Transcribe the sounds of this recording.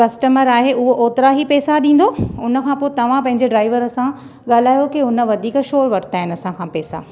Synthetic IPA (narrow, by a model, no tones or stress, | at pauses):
kɐsʈəməɾaːɦeʊɦoʔoːt̪ɪɾaɦipɛːsaɗĩːn̆d̪oʊnə̆kʰãːpoːet̪ɐʋ̤ãpɐ̃ɦɪ̃ɲd͡ʑeɖɾaːɪʋəɾɐsã | ɠaːl̤aːjokiʊnə̆ʋɐd̪ʱiːkʃoːɾʋɐʈʰt̪aːɦɪnɐsãkʰãpɛːsa̰